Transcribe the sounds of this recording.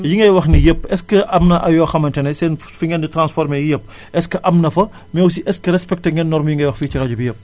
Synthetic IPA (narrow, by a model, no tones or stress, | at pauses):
jiŋɡɐjwɐxnijəpːɛskəʔɐmnɐʔɐjɔːxɐmɐntɐnɛsɛːn | fiŋɡɛnditɾansfɔɾmejjəp̚ː | ɛskəʔɐmnɐfɐ | mɛws̬iʔɛskəɾɛspɛk̚tɐŋɡɛnːɔɾmɐjiŋɡɐjwɐxfiːt͡ʃiɾɐɟubijəp̚ː